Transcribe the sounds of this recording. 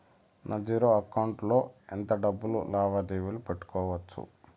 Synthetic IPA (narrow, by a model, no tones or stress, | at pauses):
nʔɐd͡ʒiːɾoːɐkɐwɳʈlo̞ːent̪ɐɖɐbːulṵlaːʋɐd̪iːʋilupeʈːu̥kɔːʋɐt͡ʃːṵ